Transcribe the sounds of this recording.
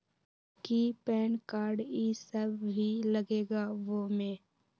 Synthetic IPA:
kipɛːnkaːɾɖisəbʱbʱilɐɡeːɡaʋomẽː

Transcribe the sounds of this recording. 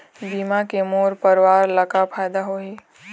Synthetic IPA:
bimakemoɾpəɾʋaɾləkapʰajd̪aɦoe

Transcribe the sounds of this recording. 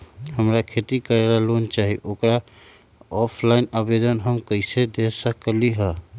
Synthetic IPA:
həmɾakʰet̪ikəɾeɾalont͡ʃaɦiʔokɾa | ɔpʰlainabed̪ənɦəmkəɪsed̪esəkliɦə

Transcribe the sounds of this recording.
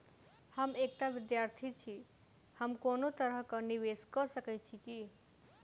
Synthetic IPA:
həmeːk̚ʈaʋɪd̪jaɾt̪ʰit͡ʃʰi | həmkoːnot̪əɾəɦkəniʋeskəsəkɛt͡ʃʰiki

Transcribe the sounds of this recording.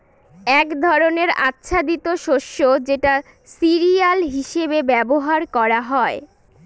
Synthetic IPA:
ɛkd̪ʱɔɾoneɾa̰tːɕʰad̪it̪oʃoʃːod͡ʑeʈa | siɾialɦiʃebebɛboɦaɾkɔɾaɦɔe

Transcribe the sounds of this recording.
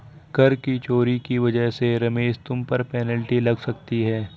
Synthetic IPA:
ɡ̥ɐɾkit͡ʃoːɾikiʋɐd͡ʒəɦseɾɐmeːzt̪ʊmpɐɾpɛːnəlʈilɐɡsɐkt̪iɦɛː

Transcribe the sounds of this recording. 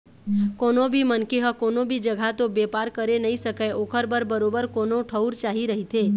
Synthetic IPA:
koːnobʱimənkeɦəkoːnobʱid͡ʒəɡʱat̪obeːpaːɾkəɾenəɦĩsəkəʔoːkʰəɾbəɾbəɾoːbəɾkoːnoʈʰəʊɾt͡ʃaːɦiɾəɦit̪ʰeː

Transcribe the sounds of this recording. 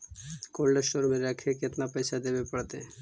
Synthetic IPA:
kolɖaʃoɾmeɾɛkʰeket̪napɛjʃʰad̪ebepəɽt̪e

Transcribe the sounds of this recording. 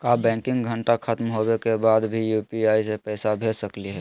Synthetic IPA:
kabɛ̃ːŋkɪ̃ŋɡɡʱəɳʈakət̪mɦobekebaːd̪bʱijuːpiaːisepɛːsabʱesəkliɦɛː

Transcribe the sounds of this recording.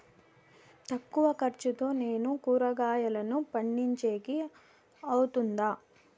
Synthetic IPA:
t̪ɐkːuʋɐkɐɾt͡ʃut̪o̞ːne̞ːnukuːɾɐɡaːjɐlɐnupɐɳːiɲt͡ʃe̞ːki | ɐwut̪und̪aː

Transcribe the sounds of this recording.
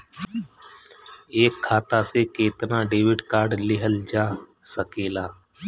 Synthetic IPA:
eːkʰːaːt̪asekeːt̪nãɖeːʋɪɖkaːɾɖlɪɦəld͡ʒaːsəkeːlaː

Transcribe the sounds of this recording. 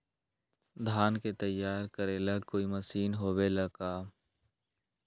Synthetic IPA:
d̪ʱaːnket̪əjːaːɾkəɾelɐkoːiməsiːnɦoːbelɐkaː

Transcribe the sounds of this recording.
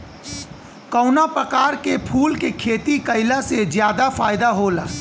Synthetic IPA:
kɔːnapɾəkaːɾkepʰuːlkekʰeːt̪ikəɪlasezjaːd̪afaːɪd̪aɦoːla̰ː

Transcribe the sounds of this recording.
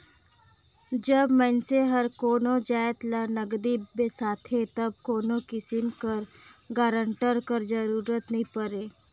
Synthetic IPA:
d͡ʒəbmɛnseɦɐɾkoːnõd͡ʒaːjət̪lanəɡd̪ibesaːt̪ʰet̪ɐb̚koːnõkɪsɪmkəɾɡaːɾə̃ɳʈəɾkəɾd͡ʒəɾuːɾət̪nɐɦĩpəɾeː

